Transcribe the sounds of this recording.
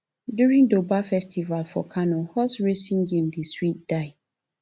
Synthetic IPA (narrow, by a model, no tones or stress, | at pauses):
djuɹĩŋdobafɛstʰivalfɔ̰kʰanɔhɔsɹesĩŋɡẽmdeswit̚d̥aɪ